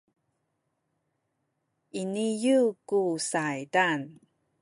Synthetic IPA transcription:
ʔinijukusajdan

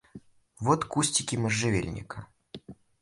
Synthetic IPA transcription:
vot̪kusʲtʲɪkʲɪməʐːɨvʲḛlʲnʲɪ̰kə

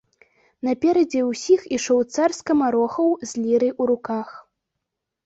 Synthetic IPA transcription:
nɐpʲɛɾɐd͡zʲɛwsʲixiʂɔwt̪sarskɐmaɾɔxɐwzʲlʲiɾɨʔuɾukax

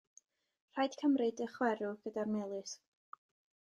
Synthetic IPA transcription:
r̥ajd̥kʰəmrɨdəχwɛɾʊɡ̥ədarmelˠɨs

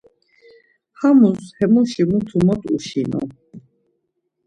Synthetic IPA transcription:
hamushɛmuʃimut̪ʰumɔt̪ʼṵʃinɔ̰

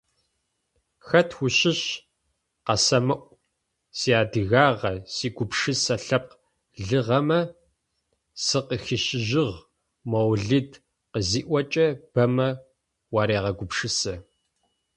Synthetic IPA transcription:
xɐtʰxʊɕɪɕ | qɐsɐmɨʔʷ | siaːdɨɣaːʁɐsiːɡʷʊpʂɨsɐɬɐp̚q | ɮɨʁɐmɐ | sɨqəxɪʃɪʒɪʁ | mɐwɮɨd | qəziːʔʷɐt͡ʃʼɐb̥ɐmɐ | wɑːɾeːʁɐɡʷʊpʂɨsɐ

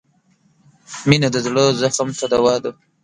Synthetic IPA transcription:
minad̪əzɽəzaxamt̪ad̪awɑːd̪a

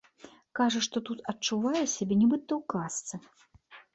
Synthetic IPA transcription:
kaʐɐʂt̪ɔt̪ut̪ɐtt͡ʂuvajɛsʲabʲenʲibɨt̪ːɐwkast̪sɨ

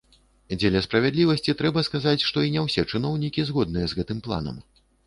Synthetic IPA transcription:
d͡zʲelʲɐspɾɐvʲɛd̪lʲivɐsʲt͡sʲit̪ɾɛbɐskazat͡sʲʂt̪ɔinʲɛwsʲɛt͡ʂɨnɔwnʲikʲizɣɔd̪̚nɨjɛzɣɛt̪ɨmplˠa̰nɐ̰m

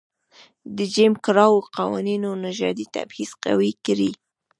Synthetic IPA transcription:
d̪əd͡ʒɪmkɾɑwoqawɑ̰ninonaʒɑ̰d̪it̪a̰bhiz̥qa̰wikɾi

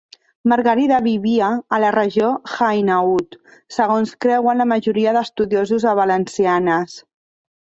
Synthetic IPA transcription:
maɾɣəɾiðaβiβiaːlərəʒoxajnaut̪səɣ̞onskɾɛwənləməʒuɾiəðəst̪uðiozuzaβalənsianəs

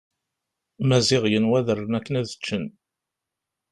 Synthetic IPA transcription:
mæzɪʁjənwæðərˤːənækːənæðət͡ʃːən

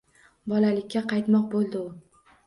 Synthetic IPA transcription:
bɒlalɪkʲːaqʰɑjt̪mɒqbolˠd̪ɪʊ

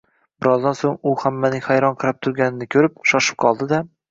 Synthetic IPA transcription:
b̥ɪɾɒzd̪ansoŋʊhamːanɪχajɾɒnqʰɨɾap̚t̪ʰʊɾɡʲanɪnɪkʲʰɵɾɪp̚ʃɒʃɪ̥p̚qʰɒlˠd̪ɪd̪a

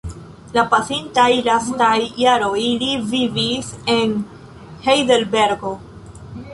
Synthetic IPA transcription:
lapasintajlastajːaɾo̞jlivivise̞n | hejdelbe̞ɾɡo̞

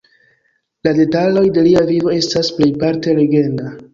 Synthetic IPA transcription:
lade̞talo̞jde̞liavivo̞e̞stasple̞jpaɾte̞le̞ɡe̞nda

